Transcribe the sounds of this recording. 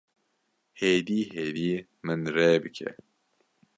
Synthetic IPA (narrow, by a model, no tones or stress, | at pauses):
heːd̪iːheːd̪iː | mɨnreːbɨkʰɛ̰